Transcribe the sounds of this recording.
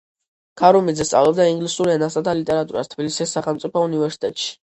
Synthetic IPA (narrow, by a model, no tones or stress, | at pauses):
kʰaɾumid̪zɛst̪sʼavlˠɔb̚d̪aiŋɡlisuɾɛnasad̪ʰalit̪ʼɛɾat̪ʼuɾa̰st̪ʰbilisisːaχɛlˠmt̪sʼipʰɔunivɛɾsi̥t̪ʼɛt̪ʼʃi̥